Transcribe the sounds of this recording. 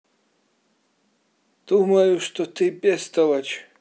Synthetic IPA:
d̪̥umɐjuʂt̪ɔt̪ʰɨpʼɛst̪ɐwɐt͡ʃʰ

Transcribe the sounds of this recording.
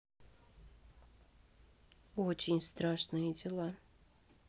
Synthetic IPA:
ot͡ɕɪnʲst̪ɾaʂnɨjədʲɪlˠa

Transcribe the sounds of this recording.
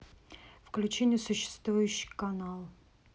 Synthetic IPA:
fklʲʉt͡ɕenʲɪjəsʊɕːɪ̥st̪vujʉɕːɪ̥kɐnalˠ

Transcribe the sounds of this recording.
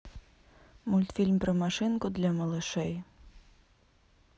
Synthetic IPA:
mulʲt̪fʲilʲmpɾɐmaʂɪnkʊd̪lʲɐmɐlˠɨʃɛj

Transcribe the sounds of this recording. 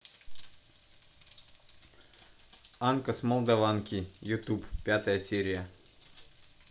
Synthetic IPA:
ankəsmolˠd̪ɐvankʲijʊt̪uppʲat̪əjəsʲeɾʲɪjə

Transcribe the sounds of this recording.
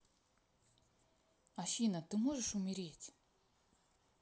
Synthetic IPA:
ɐʃinɐt̪ɪmɔʒeʃʊmʲiɾʲitʲ

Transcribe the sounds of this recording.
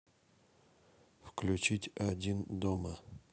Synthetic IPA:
fklʲʉt͡ɕitʲɐdʲind̪omə

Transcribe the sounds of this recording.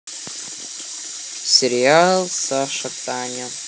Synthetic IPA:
sʲerialˠsaʂɐt̪ʼanʲa

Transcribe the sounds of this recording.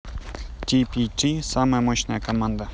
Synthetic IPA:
tipʲitisaməjəmɔɕnəjəkɐmand̪ə

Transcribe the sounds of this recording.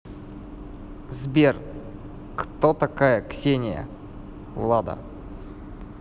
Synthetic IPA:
zbʲer | kt̪ot̪akajəksʲenʲɪjə̰ | vlˠad̪ə̰

